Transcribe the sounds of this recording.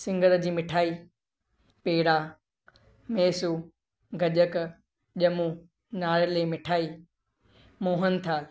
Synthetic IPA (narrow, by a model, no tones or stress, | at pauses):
sɪ̃ŋɡʱəɾd͡ʑiːmɪʈʰaːi | peːɽa | meːsuː | ɡʱɐʄək | ʄɐmu | naːɭleːmɪʈʰaːi | moːɦən̆t̪ʰaː